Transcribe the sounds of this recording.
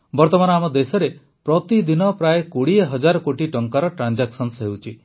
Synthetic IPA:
bɔɾt̪ɔmanɔamɔd̪esɔɾe | pɾɔt̪id̪inɔpɾajekoɽieɦɔd͡ʒaɾɔkoʈiʈɔŋkaɾɔʈɾand͡ʒaksɔnsɦewt͡ʃʰi

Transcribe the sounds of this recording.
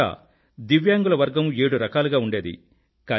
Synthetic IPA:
a̰ː | d̪iʋjaːŋɡulɐʋɐɾɡɐme̞ːɽuɾɐkaːluɡaːuɳɖe̞ːd̪ḭ | kaː

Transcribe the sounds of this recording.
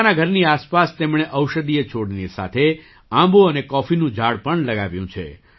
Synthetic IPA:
naɡʱəɾniaspast̪emɳ̃eʔəwʃəd̪ijet͡ʃʰoɽnisa̰t̪ʰe | ãmboənekɔfinũd͡ʒʱaɽpəɳləɡaʋjũt͡ʃʰḛ

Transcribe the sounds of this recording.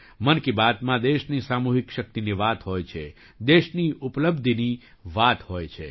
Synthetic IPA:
mənkibat̪mãd̪eʃnisamuɦikʃək̚t̪iniʋat̪ɦojt͡ʃʰe | d̪eʃniupləbd̪ʱini | ʋat̪hojt͡ʃʰe

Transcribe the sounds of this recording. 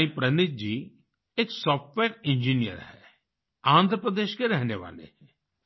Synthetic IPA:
ĩpɾənɪt̪̚d͡ʒiː | ɪksɔːpʈʋɛːɾɪnd͡ʒiːnijə̰ɾhɛː | ãːnd̪ʱɾəpɾəd̪eːʃkeɾɛɦneːʋa̰ːlḛɛː

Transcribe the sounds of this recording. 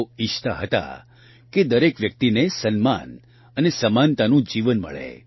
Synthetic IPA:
iʃt̪aɦət̪a̰ | ked̪əɾekʋjək̚t̪inesənma̰n | ənesəmant̪anũd͡ʒiʋənmə̰ɭḛ

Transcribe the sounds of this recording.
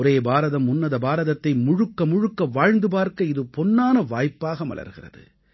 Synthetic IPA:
ɔɾeːbaːɾɐðɐmʊnːɐðɐbaːɾɐðɐt̪ːɐɪmʊɻɯkːɐmʊɻʊkːɐʋaːɻnd̪ɯpaːɾkɐɪðɯpɔnːaːnɐʋaːjpːaːɣɐmɐ̰lɐ̰ɾɣɪrɐ̰ðɯ̰

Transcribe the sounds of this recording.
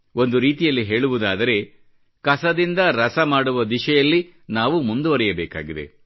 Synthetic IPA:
o̞nd̪uɾiːt̪ijɐlːiɦe̞ːɭuʋud̪aːd̪ɐɾe̞ | kɐsɐd̪ind̪ɐɾɐsɐmaːɽuʋɐd̪iʃɛjɐlːi | naːʋumund̪uʋɐɾɛjɐbɛːka̰ːɡid̪e̞̰

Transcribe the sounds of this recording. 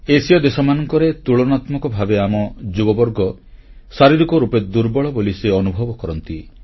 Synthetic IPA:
esijɔd̪esɔmanɔŋkɔɾet̪uɭɔnat̪mɔkɔbʱabeamɔd͡ʒubɔbɔɾɡɔsaɾiɾikɔɾuped̪uɾbɔɭɔboliseɔnubʱɔbɔkɔɾɔnt̪i

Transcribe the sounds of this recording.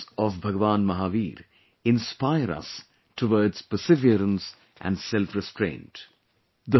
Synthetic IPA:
ɔʋbʱɐɡəʋãːnmɐɦaːʋiːɾ | ɪ̃nspaɪəɾʌ̰s | ʈʰoʋəːɖz̥pəsɪʋiəɾə̃ns | ʔæ̰̃nɖsɛlfɾɛsʈɾḛ̃ːnʈ | d̪ə

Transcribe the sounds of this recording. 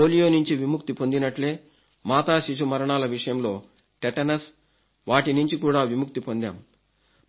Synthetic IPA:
oːlijo̞ːnuɲt͡ʃiʋimuk̚t̪ipo̞nd̪inɐʈle̞ː | maːt̪aːʃiʃ̬umɐɾɐɳaːlɐʋiʂɐjɐmlo̞ː | ʈeʈɐnɐs | ʋaːʈinuɲt͡ʃikuːɽaːʋimuk̚t̪ipo̞nd̪a̰ːm

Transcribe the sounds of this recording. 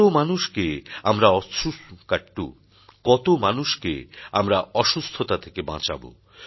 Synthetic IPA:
omanuʃkeamɾaɔukaʈːu | kɔt̪omanuʃkḛamɾaɔʃust̪ʰot̪at̪ʰekebã̰t͡ɕa̰bo̰

